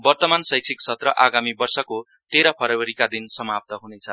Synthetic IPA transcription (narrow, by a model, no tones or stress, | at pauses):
bʌrt̪ʌmansʌjksʰiksʰʌt̪rʌ̰ʔaɡamibʌrsʌko | t̪eɾʌpʰʌɾʌwʌɾikad̪insʌmap̚t̪ʌɦunet͡sʰʌ